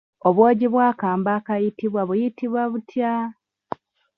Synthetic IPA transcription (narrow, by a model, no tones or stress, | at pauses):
oβwoːɟiβwaːkaːmbaːkajitiβwaβujitiβwaβutʰja